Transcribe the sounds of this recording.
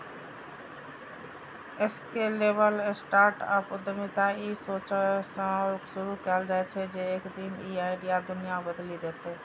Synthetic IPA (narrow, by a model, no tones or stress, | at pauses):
eskeːleːʋəlɪsʈaːɾʈəpʊd̪əmit̪ãiːsoːt͡ʃəsãʊksʊɾukaːlɾəɦet͡ʃʰed͡ʒeːeːkd̪iːmiːaːɪɖiad̪ʊnijabəd̪lid̪eːt̪eː